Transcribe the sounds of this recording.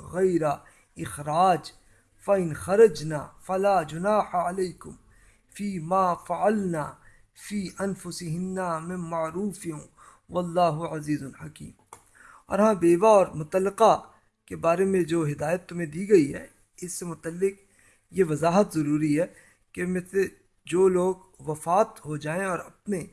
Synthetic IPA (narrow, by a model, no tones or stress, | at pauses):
ɣɐjɾa | ɪxɾaːd͡ʒ | fɐɪ̃nxɐɾɐd͡ʒnaːfɐlaːd͡ʒʊnaːħaɐleːkʊm | fiːmaːfɐʕalnaː | fiːʔɐnfʊsɪɦɪnːamɪ̃mːaʕɾuːfɪ̃ | ʋɐlːaːɦʊʕɐziːzʊnħɐkḭːm | ɔ̰ːɾɦãbeːbaɔːɾmʊt̪əlːɪqa | kebaːɾemẽd͡ʒoːɦɪd̪aːjət̪ːʊmẽd̪iːɡɐiɦɛ̰ | ɪsːemʊt̪əlːɪq̚ | jeʋɐzaːɦət̪zɐɾuːɾiɦɛː | kemese | d͡ʒoːloːɡ | ʋɐfaːt̪ɦod͡ʒaːẽɔːɾɐpne